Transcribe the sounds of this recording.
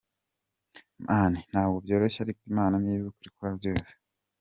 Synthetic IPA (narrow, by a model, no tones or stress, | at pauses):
mʔaːnin̥haːbɡobjo̞ːɾoçaɾikimaːnamɲiːzukuɾikuabjoːse̥